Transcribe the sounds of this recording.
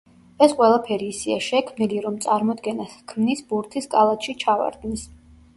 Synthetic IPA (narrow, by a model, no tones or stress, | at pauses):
ɛsqʼwɛlˠapʰɛɾiːsia̰ʃɛkʰmniliɾɔmt̪sʼaɾmɔd̪ɡɛnaskʰmnisbuɾt̪ʰiskʼalˠat̪ʃit͡ʃʰava̰ɾd̪nis